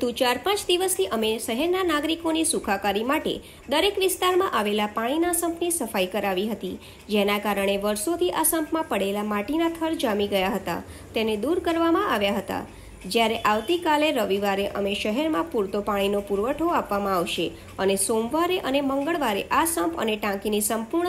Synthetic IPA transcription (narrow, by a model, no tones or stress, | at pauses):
t̪ũt͡ʃaɾpãt͡ʃd̪iʋəst̪ʰiʔəmeʃəɦɛɾnanaɡɾikonisukʰakaɾimaʈḛ | d̪əɾekʋɪst̪aɾmãʔaʋelapaɽ̃inasəmpnisəfaikəɾaʋiɦət̪i | d͡ʒenakaɾəɳ̃eʋəɾsot̪ʰiʔasəmpʰmãpəɽelamaʈinat̪ʰəɭd͡ʒamiɡəjaɦət̪a̰ | t̪ened̪uɾkəɾʋamãʔaʋjaɦət̪a̰ | d͡ʒjaɾeʔaʋt̪ikaleɾəʋiʋaɾeʔə̰meʃəɦɛɾmãpuɾt̪opaɽ̃inopuɾʋəʈʰoapʋamãaʋʃe | ənesomʋaɾeʔəneməŋɡəɭʋaɾḛʔasəmpʰə̰neʈãkinisəmpuɾɳ